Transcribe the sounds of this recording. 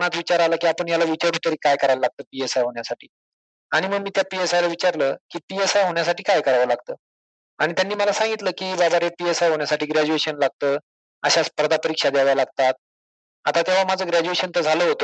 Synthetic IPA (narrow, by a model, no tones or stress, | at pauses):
nat̪ʋit͡ɕaɾaləːkiːapəɳjalaʋit͡ɕəɾʈut̪əɾiːkajkəɾaləlaɡ̚t̪əːpiesajɦoɳjasaʈʰiː | aɽ̃iməɡ̚miːt̪japiesajlaʋit͡ɕaɾləːkiːpiesajɦoɳjasaʈiːkajkəɾaʋəlaɡ̚t̪əː | aɽ̃it̪janːiːməlasãŋɡit̪ləːkiːbabʱaɾepiesajɦoɳjasaʈiːɡɾæd͡ʑueɕənlaɡ̚t̪əː | əɕaspəɾd̪ʱapəɾikʂad̪jaʋjalaɡt̪at̪̚ | at̪at̪jaʋ̤amad͡zʱəːɡɾæd͡ʑueɕənt̪əd͡zʱaləɦot̪o